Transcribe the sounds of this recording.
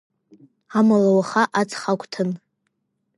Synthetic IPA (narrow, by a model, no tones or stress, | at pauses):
amalawaχaʔat͡sʰʼχakʷʰʼtʰɨn